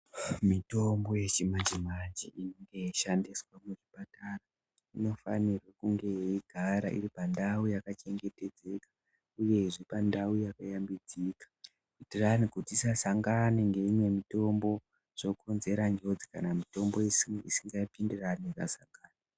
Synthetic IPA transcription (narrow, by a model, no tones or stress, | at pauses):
mito̞mbo̞je̞t͡ʃimand͡ʒimand͡ʒiinoŋɡe̞iʃandiswamuʐipatara | ino̞fanirwakuŋɡe̞iɡ̥ʱaɾa̰ʔḭɾipandaujakat͡ʃe̞ŋɡe̞te̞d͡ze̞kḁ | uje̞ʐipandaujakajambid͡zikḁ | pitiranikutisasaŋɡaniŋɡe̞imwe̞mito̞mbo̞ | ʐ̥o̞kʰonze̞ɾand͡ʒo̞d͡zikanamito̞mbo̞isisiŋɡaipindiranieka̰saŋɡaːna